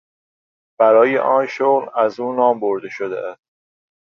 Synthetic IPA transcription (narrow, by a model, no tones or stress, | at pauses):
b̥æɾɒːjḛʔɒːnʃoɣlæzuːnɒːmboɾd̪eʃod̪ḛʔæst̪